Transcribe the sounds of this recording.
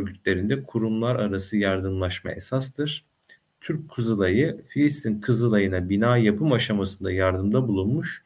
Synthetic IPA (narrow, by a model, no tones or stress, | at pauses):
øɾɡyt̪ʰlʲe̞ɾind̪ɛkʰuɾumlˠaɾaɾasɯjaɾd̪ɯmlˠaʃma̰ʔe̞sast̪ɯɾ̥ | t̪ʰyɾc̚kʰːuzɯlˠajɯfilʲist̪inkʰɯzɯlˠajɯnabinaːjapʰɯmaʃamasɯnd̪ajaɾd̪ɯmd̪abulˠunmuʃ